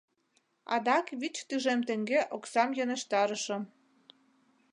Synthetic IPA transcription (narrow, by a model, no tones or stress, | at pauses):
ɑ̰d̪ɑkβit͡ɕt̪yʒemt̪ĕŋɡeʔoksɑmjoneʃt̪ɑɾəʃə̆m